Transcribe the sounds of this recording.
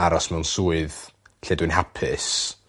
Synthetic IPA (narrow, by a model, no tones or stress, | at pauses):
aɾɔsmɛwnsuːɨð | ɬɛdwɨnɦapʰɪs